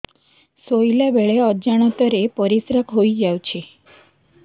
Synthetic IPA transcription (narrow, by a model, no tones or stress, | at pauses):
sojlabeɭeəd͡ʒaɽ̃ət̪əɾepəɾisɾəkɦoid͡ʒaʋt͡ʃʰe